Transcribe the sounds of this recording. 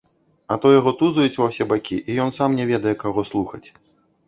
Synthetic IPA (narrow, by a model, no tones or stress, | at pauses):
ɐt̪ɔjaɣɔt̪uzɐjut͡sʲvɐwsʲɛbakʲiʔijɔnsamnʲɛvʲɛd̪ɐjɛkaɣɔslˠuxɐt͡sʲ